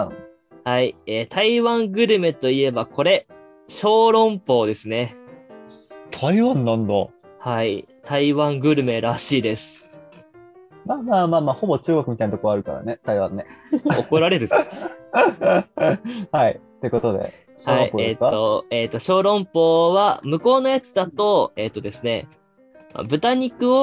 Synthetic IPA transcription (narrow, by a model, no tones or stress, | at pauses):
haieːt̪ʰaiβãŋɡɯ̟ɾɯ̟me̞t̪o̞ie̞bakʰo̞ɾe̞ | ɕo̞ːɾõ̞mpo̞ːd̪e̞sɨne̞ | t̪ʰaiβãnːãnd̪a | hait̪ʰaiβãŋɡɯ̟ɾɯ̟me̞ɾaɕiːd̪e̞sɨ̥ | maːmaːmaːmaːho̞bo̞t͡ɕɨːɡokɯ̟mʲit̪ainat̪okoβaɾɯ̟kaɾa̰net̪aiβãnːeo̞ko̞ɾaɾe̞ɾɯs | hait̪e̞ɯ̟ko̞t̪o̞d̪ḛ | ɕhaɾõḭoetkːo̞et̪ːo̞ɕo̞ːɾõ̞mpo̞ːβamɯ̟ko̞ːno̞jat͡sɨ̥d̪at̪o̞e̞ːt̪ːod̪e̞sɨne̞ | ma̰bɯ̟t̪aɲ̟ikɯ̟o